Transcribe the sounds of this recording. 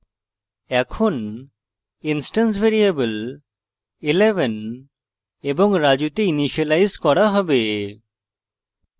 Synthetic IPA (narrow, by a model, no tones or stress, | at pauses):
ɛkʰɔn | insʈans̬bʱeɾiebəl | ilebɛn | ebɔŋɾad͡ʒut̪einiʃalajzkɔɽaɦɔbe